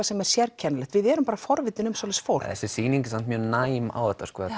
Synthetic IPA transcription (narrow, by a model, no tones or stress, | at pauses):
asɛmɛɾ̥sjɛɾcʰɛnalɛht̪vɪðɛɾʏmpaːɾafɔɾvɪt̪ɪnʏmsowlɛsfowɾɛ̰sɪsiːniŋcɪsant̪mjœːnaːjma̰wɛht̪ːaskvɔː